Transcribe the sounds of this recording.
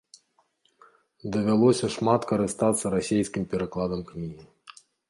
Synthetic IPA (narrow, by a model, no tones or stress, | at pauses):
d̪ɐvʲalˠɔsʲɐʂmat̪kɐɾɨst̪at̪sːɐɾasʲejsʲkʲimpʲɛɾaklˠad̪ɐmknʲiɦʲi